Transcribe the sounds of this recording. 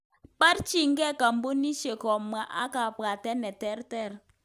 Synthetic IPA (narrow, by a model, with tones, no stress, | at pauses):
k͡pa˦tt͡ʃi˦˨ŋ̩˦kɛ˦˨ka˨m̩˦bo˦ni˦ʃe˨kɔ˨ma˨˦ʔa̰˦ka˨pɡa˨tɛ˦nɛ˨tɛ˦ɾtɛ˦˨ɾ